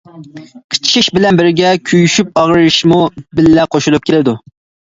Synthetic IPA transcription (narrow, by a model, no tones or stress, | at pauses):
qʰə̥t͡ʃʰʃʰiʃbɪlɛnbɪɾɡʲɛkʲʰyjyʃyp̚ɑʁɾɪʃmubɪlːɛqʰoʃulˠup̚kʲelɪd̪u